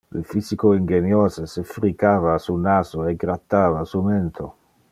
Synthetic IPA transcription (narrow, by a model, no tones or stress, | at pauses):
lḭfisikoiŋɡenjɔːzesefɾikaːvasunaːzoɛɡɾat̪ːaːvasumɛnt̪ʰo